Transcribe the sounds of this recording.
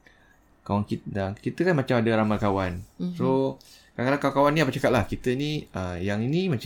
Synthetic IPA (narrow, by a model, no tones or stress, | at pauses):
kawankiakit̪əkanmat͡ʃamadaɾamakawansokakalakaakawaniapat͡ʃakat̪̚lahkit̪əiniəjaŋinimat͡ʃ